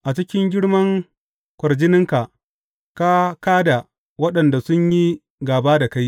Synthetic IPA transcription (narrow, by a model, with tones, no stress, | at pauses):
ʔa˨t͡ʃɪ˦kʲɪ˦ŋɡʲɪ˦ɽmɐ˦ŋ | kʷɐ˨rd͡ʒɪ˦nɪ˦ŋka˨ʔ | ka˦kaː˦da˨ | wɐ˦ɗɐ˨nda˨sʊ˦ɲji˦ | ɡaː˨baː˦da˨ka˦j